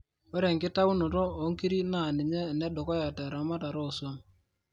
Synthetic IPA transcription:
ɔ˦ɾɛ˨ŋkɪ˦ta˦u˦no˨to˦o˨˦ŋki˦ɾi˦na˦˨nɪ˨ɲɛ˦˨nɛ˦ɗo˨kɔ˦ja˨tɛ˨ɾa˨˦ma˦ta˨ɾo˦˨swɔ˦n

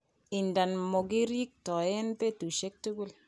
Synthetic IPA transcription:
ɪ˨nda˨nmɔ˨ɡi˦ɾi˦k̚tɔ˨jɛ˦npe˦tu˨ʃe˦k̚tu˦ɡu˦l

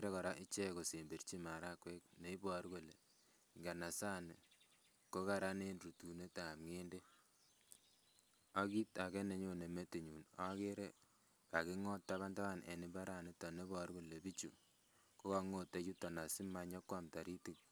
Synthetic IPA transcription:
ɾe˦kɔ˨ɾa˦ʔi˦t͡ʃɛ˦ko˨se˨mbi˨ɾt͡ʃi˦ma˨ɾa˦kwe˦k̚ne˨˦i˦bɔ˨˦ɾko˨le˨ | ŋɡa˨na˨sa˦ni˨ | ko˦ka˨ɾa˦ne˦nru˨tu˨ne˦ta˨mŋe˦nde˦ | a˦ki˦ta˨kɛ˦ne˨ɲo˦ne˨me˦ti˨ɲu˨na˦ke˦ɾe˦ | ka˨ki˦ŋɔ˦ttːa˦βa˦nta˦βa˦nḛ˨ni˦ba˦ɾa˦˨ni˦tɔ˨ne˦bɔ˨˦ɾko˦˨le˨bi˦t͡ʃṵ˨ | ko˦ka˨ŋo˦tːe˨˦t͡ʃu˦tɔ˨na˨si˦ma˨ɲɔ˦kwa˦˨mta˨ɾi˦ti˨

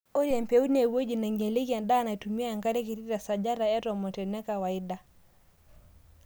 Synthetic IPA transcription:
o˦ɾɛ˨mpɛ˨˦u˦ne˨wo˦d͡ʒi˨na˨ŋɡɛ˨le˦ki˦a˨nda˦na˨i˨tu˨mi˦a˦˨ŋɡa˦ɾe˦ki˨ɾi˦ɾa˨sa˨d͡ʒa˦ɾa˨ɛ˦ɾɔ˨mɔ˨tɛ˨nɛ˦ka˨wa˨i˦da˨

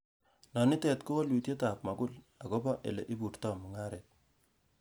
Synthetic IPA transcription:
nɔ˨nɪ˦tɛ˨tko˦ɔ˦lwi˨tje˦ta˨p̚ma˨ɡʊ˦l | a˨ko˦ba˦ʔḛ˨lḛ˨ʔi˦bu˨rtɔ˦˨mu˨ŋa˦ɾet̚

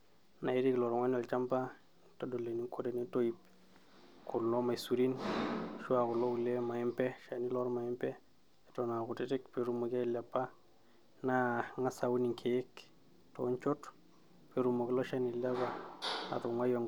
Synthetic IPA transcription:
na˨i˦ɾi˦klɔ˨ɾŋwa˦nɔ˨lt͡ʃa˦mpa˦ | to˦do˨le˨ni˦kʰo˦ɾe˨ni˦to˦ip̚ | kʊ˨lːɔ˦ma˨jsu˨ɾi˦nʃwa˨kʊ˨lo˦u˨le˦ma˨ɪ˦mpɛ˦ʃa˨ni˦lɔ˦ɾma˨ɪ˦mpɛ˦˨ | to˨na˨kʊ˨tɪ˦tɪ˦kpe˦ɾu˨mu˨ka˦i˦la˨pːa˦ | na˦ŋa˦sa˨u˦ni˨ŋkʰe˨ɪ˦k | to̰˨˦ɲt͡ʃɔ˦t | pe˦ɾu˨mo˨kɪ˦lɔ˦ʃa˦ni˨la˦βa˨a̰˨to˨ŋwa˦jɔ˨ŋ

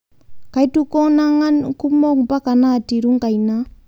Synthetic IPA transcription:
ka˨i˦tu˦kɔ˦na˦ŋa˦nku˦mɔ˦ŋ˨pa˦ka˨na˦˨ti˨ɾu˦ŋka˨i˨na˦

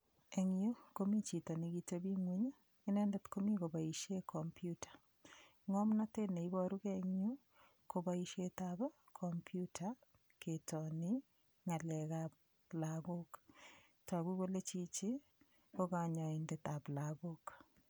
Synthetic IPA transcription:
e˨ŋjo˦ko˦mi˦t͡ʃi˨tɔ˨niɡitobi˦ŋwi˦ɲ | ɪ˦nɛ˦ndɛ˦t̪ko˦mi˦ko˨ba˨i˨ʃje˦kʰɔmpjutḁ˨ | ŋɔ˦mna˦te˦ne˨i˦βɔ˦ɾu˦keŋjo˦ | ko˨ba˦iʃje˦tabkʰɔmpjutʰa | ketɔnɪ | ŋa˨lɛ˨ɣa˦p̚ | laɣok | ta˨βu˦βo˦le˦t͡ʃi˦t͡ʃi | ko˦ka˨ɲɔ˨indet̪a˨plaɣo˦k

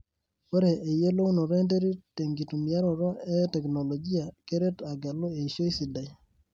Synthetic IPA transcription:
ko˦ɾe˨ʔːje˦lo˦u˦nɔ˨ɾɔ˦e˦nte˦ɾi˦te˨ŋɡi˨tu˨mja˦ɾɔ˨ɾɔ˦ɛ˦tɛ˨knɔ˨lɔ˨ɡi˦a˨ke˦ɾe˦ta˨ɡa˨lo˦e˨ʃo˦i˦si˨da˨j

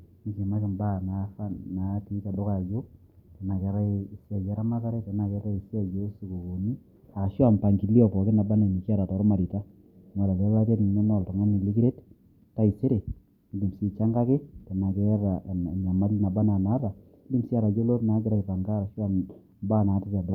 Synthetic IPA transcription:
ni˨˦t͡ʃe˨ma˦kɪ˨mba˦na˨˦fa˦nna˨˦ti˦ta˨dɔ˦ka˨d͡ʒo˦ | ta˨na˨kɛ˨˦ɾa˦i˨sa˨d͡ʒɛ˦ɾa˦ma˦ka˦ɾɛ˦ta˨na˨kɛ˦ɾa˦i˨si˦a˨d͡ʒo˦si˨ko˨ko˨ni˦ | a˨ʃwa˦˨npa˨ŋɡi˨li˦ɔ˦˨pɔ˨kɪ˦na˨ba˦na˨ni˨ka˦ɾa˨tɔ˨ɾɔ˦ma˨ɾi˨ta˦ | ŋa˨la˨la˦la˦ta˦tni˨nɛ˦nɔ˨ltɔ˨ŋa˦ni˨li˦ki˦ɾe˦t | tːa˦i˨se˦ɾe˨ | i˨li˨msi˦t͡ʃa˦ŋɡa˦kɪ˦ta˨na˨kɛ˦ɾa˨ɲa˨ma˦lna˨ba˦na˨na˨˦ɾa˨˦ | li˦msi˦a˨ɾa˨d͡ʒo˦lo˦tna˨˦ɡɪ˦ɾa˨i˨pa˨ŋɡa˦ɾa˨ʃwa˦˨n | ba˦˨na˨˦ti˦ta˨dɔ˦

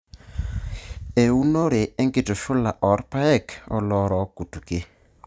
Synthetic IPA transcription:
e˨u˦no˦ɾe˨e˦ŋɡɪ˨tʊ˨ʃʊ˦la˨ʔɔ˨˦ɾpa˦ɛ˦˨kɔ˦lɔ˦ɾɔ˨˦ku˨tu˨ke˦

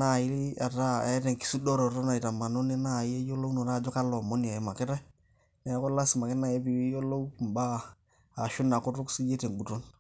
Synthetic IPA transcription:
na˦˨ji˦li˦a˨ɾa˦ɛ˦te˨ŋki̥˨˦su˦do˦ɾɔ˨to˦na˨i˨ta˨ma˨nu˦ni˦na˦˨je˦jo˦lo˦u˦no˨ɾa˦˨d͡ʒɔ˦ka˦lɔ˨mo˦ni˨a˨ɛ˦ma˨kɪ˦ɾa˦ | nɛ˨˦ko˦la˦si˨ma˨kɪ˦na˦˨je˦bi˨wi˦jo˦lo˦u˨m˨baː˦˨ | ʃu˦nːa˨ko˦tu˦ksi˦je˦te˨ŋ˨ɡ͡bu˨to˦n

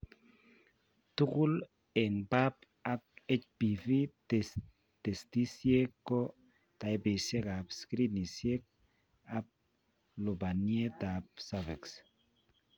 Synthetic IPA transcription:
tu˦kʊ˦l | ɛ˨ŋba˦p | a˨k̚e˦t͡ʃpi˨fi˦tes | te˨sti˦sje˦kːɔ˦ | ta˨i˦be˨sje˦ka˨pskɾi˦ni˨sje˦k̚ | a˨p̚ | lo˨ba˨nie˦ta˨p̚savɛ˨ks

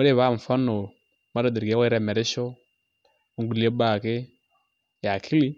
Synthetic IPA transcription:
o˦ɾe˦˨βa˦˨ɱ̩˨fa˦no˨ | ma˦ɾa˨di˨ɾɡwa˦i˦ɾɛ˦˨mɛ˨ɾɛ˦ʃɔ˦ | u˦ŋɡu˨li˦e˦ɓa˦˨ke˦ | ja˨kʰi˦li˦

